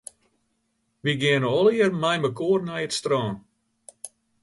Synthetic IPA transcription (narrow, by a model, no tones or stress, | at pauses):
ʋiɡɪənəɔliərmɛjməkoərnɛjətstrɑːn